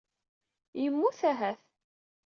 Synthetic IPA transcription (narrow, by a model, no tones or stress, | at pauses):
jəmːuθæɦæθ